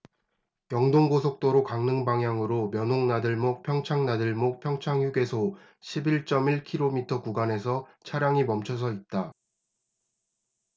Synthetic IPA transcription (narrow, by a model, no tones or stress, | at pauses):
kjʌŋdoŋɡosʰok̚t͈oɾokaŋnɯŋbaŋɦjaŋɯɾomjʌnɦoŋnadɯɭmok̚pʰjʌŋt͡ɕʰaŋnadɯɭmok̚pʰjʌŋt͡ɕʰaŋjuɡe̞sʰo | ɕʰibiɭt͡ɕ͈ʌmiɭkʰiɾomitʰʌkuɡane̞sʰʌt͡ɕʰaɾjaŋimʌmt͡ɕʰʌs̬ʰʌit̚t͈a